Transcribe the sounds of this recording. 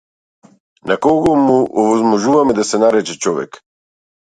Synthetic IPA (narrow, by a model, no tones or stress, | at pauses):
nakɔɡɔmuʔɔvɔzmɔʒuvamɛd̪asɛnaɾɛt͡ʃɛt͡ʃɔvɛ̰k